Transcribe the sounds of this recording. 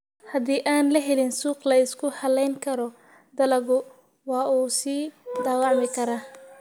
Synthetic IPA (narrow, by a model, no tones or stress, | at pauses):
hɐd̪iːʔaːnlɐɦɛlɪnsuːqlɐɪskʰʊhɐlɛjŋkʰɐɾɔ | d̪ɐlɐɣʊ | wɑːʔuːsiːd̪aːwɑʕmɪkʰɐɾaː